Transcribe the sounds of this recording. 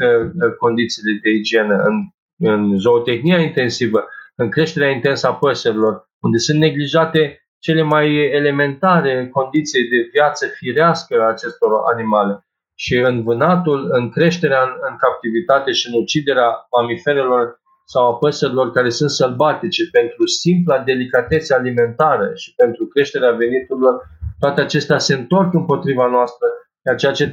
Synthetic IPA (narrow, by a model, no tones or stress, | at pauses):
əko̞nd̪it̪sile̞d̪e̞id͡ʒie̞nəɨn | ɨnʒo̞ːt̪e̞xniaint̪e̞nsivəɨŋkɾe̞ʃt̪e̞ɾeaint̪e̞nsəapəsəɾilo̞r | und̪e̞sunt̪ne̞ɡliʒat̪e̞ | t͡ʃe̞le̞majele̞me̞nt̪aɾe̞ko̞nd̪it̪sjd̪e̞vjat̪səfiɾeaskəaːt͡ʃe̞st̪o̞ɾa̰nimale | ʃiɨnvɨnat̪ulɨŋkɾe̞ʃt̪e̞ɾeanɨŋkap̚t̪ivit̪at̪e̞ʃiɨnut͡ʃid̪e̞ɾeamamife̞ɾe̞lo̞r | sawapəsəɾilo̞rkaɾe̞sunt̪səlbat̪it͡ʃe̞pe̞nt̪ɾusimplad̪e̞likat̪e̞t̪səalime̞nt̪aɾəʃi̥pe̞nt̪ɾukɾe̞ʃt̪e̞ɾeave̞nit̪uɾilo̞rt̪oat̪eat͡ʃe̞st̪ease̞ɨnt̪o̞rkɨmpo̞t̪ɾivanoast̪ɾə | at͡ʃejat͡ʃe̞